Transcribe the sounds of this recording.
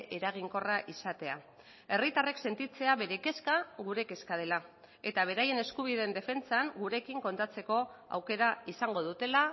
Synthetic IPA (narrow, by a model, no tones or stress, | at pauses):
ʔeɾaɣ̞iŋko̞raʔisat̪e̞a | e̞rit̪are̞kse̞nt̪it͡se̞aβe̞ɾe̞ke̞skaɣuɾe̞ke̞skað̞e̞la | e̞t̪aβ̞e̞ɾaje̞ne̞skuβ̞iðe̞nd̪e̞fe̞nt͡saŋɡuɾe̞kiŋko̞nt̪at͡se̞ko̞a̰wke̞ɾaisaŋɡo̞ð̞ut̪e̞la